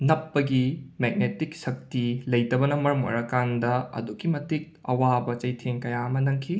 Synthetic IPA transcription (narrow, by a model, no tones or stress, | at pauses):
nɐpːɐɡimeɡ̚netik̚sɐk̚tilɐjtɐbɐnɐmɐɾɐmo̰ɾɐkandɐɐ̰dukːimɐtik̚ɐ̰wabɐt͡ʃɐjtʰeŋkɐjaɐmɐnɐŋkʰi